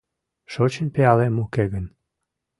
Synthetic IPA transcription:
ʃot͡ɕənʲpeɑlemukeɣən

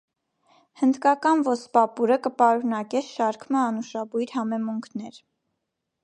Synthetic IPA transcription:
hənd̪kɑkɑnvɔspɑpuɾəkəpɑɾunɑkɛʃɑɾkʰməɑnuʃɑbujɾhɑmɛmuŋkʰnɛɾ

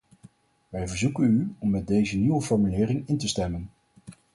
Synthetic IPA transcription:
ʋɛjvəɹzukənyɔmːɛt̚dejzəniʋəfɔɹmylɪːrɪŋɪntəstɛmən

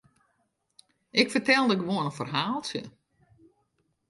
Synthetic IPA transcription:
ʔɪkfərtɛlˠdəɪkʋoənənfərɦaːlˠtjə̰

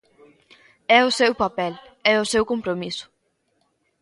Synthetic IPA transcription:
ɛʊsewpapɛlɛʊsewkompɾomisʊ̥

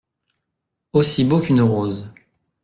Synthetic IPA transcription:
osibokʲynʁoːz

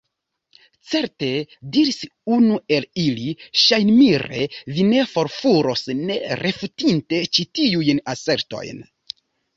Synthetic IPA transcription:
t͡se̞ɾte̞diɾisunue̞liliʃajnmiɾḛvine̞fo̞ɾfuɾo̞sne̞ɾʔefutinte̞t͡ʃitiujnase̞ɾto̞̰jn

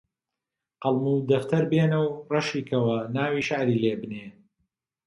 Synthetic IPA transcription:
qɑlˠmud̪ɐft̪ʰɐɾbeːnɐwrɐʃiːkʰɐwɐnaːwiːʃaʕɾiːleːbɨneː

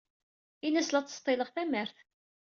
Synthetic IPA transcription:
inæslæt͡sːst̪ˤːɪləʁθæməɾθ

